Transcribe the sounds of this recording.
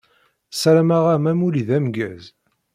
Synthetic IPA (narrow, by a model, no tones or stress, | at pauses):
sæɾmaʁæmæmuliðæmɡæz